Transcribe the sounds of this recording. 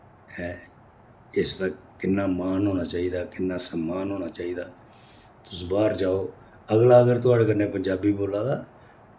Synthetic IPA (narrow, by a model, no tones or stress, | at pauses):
ɛː | ɪsd̪aːkɪnːaːmaːnɦoːnaːt͡ʃaːiːd̪aːkɪnːaːsəmːaːnɦoːnaːt͡ʃaːiːd̪aː | t̪ʊsbaːɾd͡ʒaːoː | əɡlaːəɡəɾt̪ʊaːɽeːk̬ənːẽːpəɲd͡ʒaːbiːboːlaːd̪aː